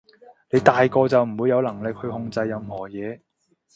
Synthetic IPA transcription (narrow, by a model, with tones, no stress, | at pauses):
ne˨˧jt̪aː˨jkɔː˧t͡sɐ˨wm̩˨˩wuː˨˧jɐ˧wlɐ˨˩ŋlɪ˨k̚hɵ˧ɥhʊ˧ŋt͡sɐ˧jːɐ˨˧mhɔː˨˩jɛː˨˧